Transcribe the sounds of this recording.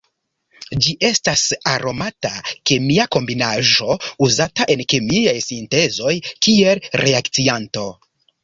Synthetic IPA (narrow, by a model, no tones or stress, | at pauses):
d͡ʒiʔe̞stasaɾʔo̞matake̞miako̞mbinaʒo̞uzataʔe̞nke̞miajsinte̞zo̞jkie̞lɾe̞aktsianto̞